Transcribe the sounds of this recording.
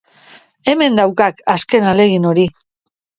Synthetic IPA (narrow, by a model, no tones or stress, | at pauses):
e̞me̞nd̪awkakaske̞nale̞ɣ̞ino̞ɾi